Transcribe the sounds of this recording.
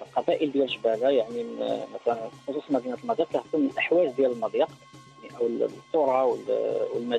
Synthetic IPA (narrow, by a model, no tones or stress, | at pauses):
lqɑbæʔəld̪jælʃbælajaʕniməmæt̪ælænfi̥xosˤuslmæd̪inæt̪əlmɑd̪ˤjiq̚k̪æhk̪umːəlʔəħwæʒd̪jæləlmɑd̪ˤjɑq | ʕniʔæwlt̪ˤːoɾˤɑwəlwəlmæ